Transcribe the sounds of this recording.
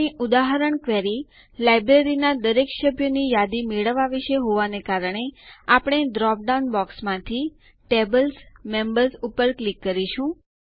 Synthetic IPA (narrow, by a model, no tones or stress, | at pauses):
iʔud̪aɦəɾəɳkʋeɾi | lajbɾeɾinad̪əɾekʃəbʱjonijad̪imeɭəʋːaʋiʃeɦoʋanekaɾəɳ̃eapɳ̃eɖɾɔp̚ɖanbɔksmãt̪ʰi | ʈebəlsmembəɾsupəɾklikːəɾiʃũ